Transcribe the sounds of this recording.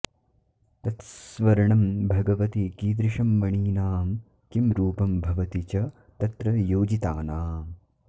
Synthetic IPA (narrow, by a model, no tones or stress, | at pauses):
t̪ɐt̪sʋɐɾɐɳɐmbʱɐɡɐʋɐt̪ikiːd̪ɾɪʃɐmːɐɳiːnaːm | kimɾuːpɐmbʱɐʋɐt̪it͡ʃɐ | t̪ɐt̪ɾɐjoːd͡ʒit̪aːnaːm